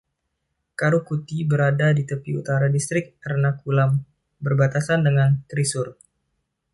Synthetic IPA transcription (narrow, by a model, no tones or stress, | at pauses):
kaɾukut̪ibəɾadadit̪əpiṵt̪aɾadist̪ɾɪk̚ərnakulam | bərbat̪asandəŋankɾisʊr